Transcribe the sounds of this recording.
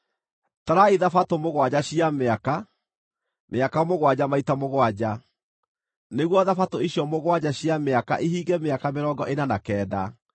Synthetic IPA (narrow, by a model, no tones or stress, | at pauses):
taɾaiðafatomoɣwad͡ʑaɕiameaka | mʔeakamoɣwad͡ʑamaitamoɣwad͡ʑa | neɣwɔðafatoiɕjɔmoɣwad͡ʑaɕiameaka̰ʔiɦiːɡɛmeakameɾɔɡɔʔenanakɛːda̰